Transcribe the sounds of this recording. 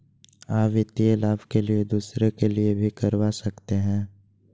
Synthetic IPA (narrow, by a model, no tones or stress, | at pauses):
aːpʋɪt̪ielaːbkelied̪uːsɾekeliebʱikɐɾwasɐkt̪eɦɛ̃ː